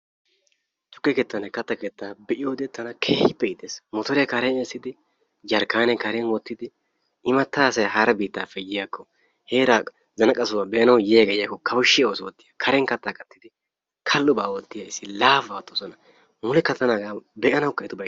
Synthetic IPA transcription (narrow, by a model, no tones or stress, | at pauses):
t̪ʊ̥kːɛkeːt̪ːɐnɐkɐt̪ːɐket̪ːaːbɛʔɪjoːd̪ɛt̪ːɐnɐkʰeːhɪpːɛɪt̪ːeːsmɔt̪ɔɾjɛkɐɾɛneːsɪd̪ɪ | d͡ʒɐɾkːaːnɛkɐɾɛnwɔt̪ːɪd̪ɪ | ʔɪmɐt̪ːaːsɐjɦɐɾɐbiːt̪ːaːfːɛjɪjakːɔ | heːɾa | zɐnɐkʼɐsɔwɐbɛʔɐnɐwjɛjaɡɛjɪjakːɔkʰɐwʊʃːɪoːswɔt̪ːɪjakʰɐɾɛnkɐt̪ːaːkɐt̪ːɪd̪ɪ | kʰɐlːʊbaːwɔt̪ːɪjaɪsːɪlaːfɐt̪ːɔsɔnɐ | mʊlɛkɐt̪ɐnaɡaːbɛʔɐnɐwʊkɐɪt̪ʊbɐ